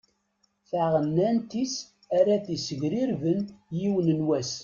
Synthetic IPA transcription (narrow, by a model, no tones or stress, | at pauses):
θaʁənːænt̪is | æɾæθisəʝɾiɾvənjiwənənwæs